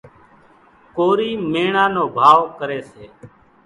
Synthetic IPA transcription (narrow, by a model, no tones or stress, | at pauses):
koːɾiːmeːɳãːnoːbʱaːʋkəɾeːseː